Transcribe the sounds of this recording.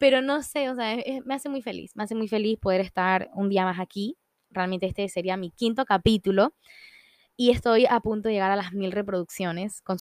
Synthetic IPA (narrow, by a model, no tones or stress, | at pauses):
pe̞ɾo̞no̞se̞os̬eaesesme̞ase̞mujfe̞lḭsme̞ase̞mujfe̞lispo̞ð̞e̞ɾe̞st̪aɾund̪iamasaki | realmẽ̞nt̪eest̪ese̞ɾiamikint̪o̞kapit̪ulo̞ | ie̞st̪o̞japunt̪oeʝeaɾalazmilre̞p̬ɾo̞ðuksjo̞ne̞sko̞n